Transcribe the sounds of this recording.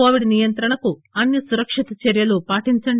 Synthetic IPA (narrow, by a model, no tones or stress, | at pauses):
oːʋiɽinijɐnt̪ɾɐɳɐkuɐnːisuɾɐkʂit̪ɐt͡ʃɐɾjɐlupaːʈiɲt͡ʃɐɳɖ